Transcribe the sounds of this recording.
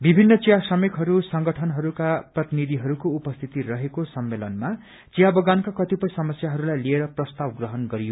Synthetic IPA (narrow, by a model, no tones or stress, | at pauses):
bibʱinːʌt͡sijasʌmekɦʌɾusʌŋɡʌʈʰʌnɦʌɾukaprʌt̪inid̪ʱiɦʌɾukoupʌst̪ʰit̪irʌɦekosʌmːelʌnma | t͡sijabʌɡankakʌt̪ipʌjsʌmʌsjaɦʌɾulajlieɾʌprʌst̪abɡrʌɦʌnɡʌɾijo